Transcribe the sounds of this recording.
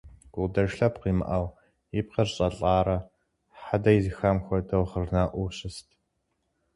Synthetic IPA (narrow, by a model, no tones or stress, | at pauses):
ɡ̥ʷʊdɐʂɬɐpqiːmɨ̰ʔɐw | jip̚qɐrɕʼɐɬʼɑːɾɐ | ħadɐjizɨxamxʷɔdɐwχərnaːʔʷuɕʼɪstʰ